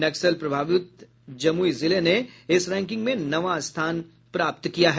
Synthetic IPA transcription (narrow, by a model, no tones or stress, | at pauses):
nɐksəlpɾɐbʱaːʋɪt̪̚ | d͡ʒɐmuizɪleneɪsɾɛ̃ːŋk̬ɪ̃ŋɡmẽnɐʋast̪ʰaːn | pɾaːp̚t̪kijaɦɛ